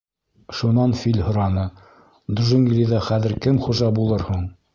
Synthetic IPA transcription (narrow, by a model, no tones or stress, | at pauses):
ʃunɑnfilʲhŏɾɑnɤ | d̪uʒɘ̆ŋɡlʲiðɑχæðɘ̆ɾkɘmχuʒɑbulˠɤɾhuɴ